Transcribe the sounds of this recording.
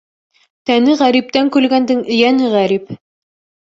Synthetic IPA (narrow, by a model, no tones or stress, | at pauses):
t̪ænɘʁæɾip̚t̪æŋkʉlɡænd̪ɘŋɘ̆jænɘʁæɾip